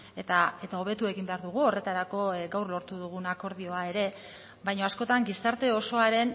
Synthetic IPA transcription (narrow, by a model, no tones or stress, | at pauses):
et̪ae̞t̪ao̞β̞e̞t̪ue̞ɣimbe̞aɾðuɣ̞uo̞re̞t̪aɾako̞ɡawrlo̞ɾt̪uðuɣ̞unako̞ɾð̞io̞ae̞ɾe̞ | bajɲo̞asko̞t̪aŋɡist̪aɾt̪e̞o̞so̞aɾe̞n